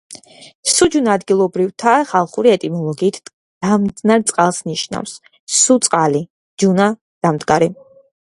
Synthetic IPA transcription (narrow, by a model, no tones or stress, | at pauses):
sud͡ʒunad̪ɡilˠɔbɾivt̪ʰaχalˠχuɾiɛt̪ʼimɔlˠɔɡiːt̪ʰ | d̪̥amd̪znaɾt̪sʼqʼalˠsniʃna̰fsː | ut̪sʼqʼali | d͡ʒuna | d̪̥amd̪ɡaɾi